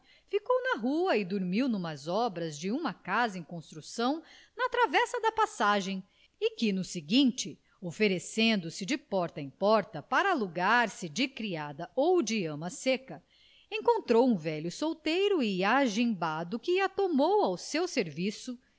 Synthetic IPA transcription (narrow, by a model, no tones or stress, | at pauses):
fikownɐɦuɐɪd̪uɾmiwnũmɐzɔbɾɐzd͡ʒɪũmɐkazɐẽj̃kõst̪ɾusɐ̃w̃nɐt̪ɾavɛsɐd̪ɐpasaʒẽj̃ | ɪkɪnʊsɪɡĩt͡ʃɪ | ofeɾesẽnd̪ʊsɪd͡ʒɪpɔɾt̪ɐẽj̃pɔɾt̪ɐpaɾɐaluɡaɾsɪd͡ʒɪkɾiad̪ɐowd͡ʒɪɐ̃mɐsekɐ | ẽkõnt̪ɾowũvɛʎʊsowt̪ejɾʊɪaʒĩbad̪ʊkɪɐt̪omowawsewseɾvisʊ